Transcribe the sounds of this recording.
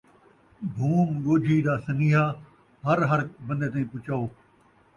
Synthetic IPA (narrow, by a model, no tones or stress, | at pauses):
bʱuːmɠoːd͡ʒʱiːɗ̪aːsɐniːɦaː | ɦəɾɦɐɽbɐ̃nd̪eːt̪̬aːĩːpʊt͡ʃaːoː